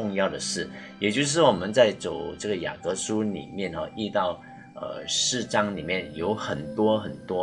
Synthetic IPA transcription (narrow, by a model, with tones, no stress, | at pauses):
ʊ˥˧ŋjɑ˥˩ʊd̪ə˩ʂɻ̩˥˩jɛ˨˩t͡ɕjo˥˧ʊʂ̬ɻ̩˥˩wɔ˨˩mə˦nt͡sa˥˩ɪt͡so˨˩ʊʈ͡ʂɤ˥˩ɡə˩ja̰˨˩kɤ˧˥ʂu˥nḭ˨˩mjɛ˥˩nxɐ̰˨˩i˥˧t̪ɑ˥˩ʊ | ə̰˧ʂɻ̩˥˩ʈ͡ʂɑ˥ŋni˨˩mjɛ˥˩njo˧˥ʊxə˨˩nt̪wɔ˥xə˨˩nt̪wɔ˥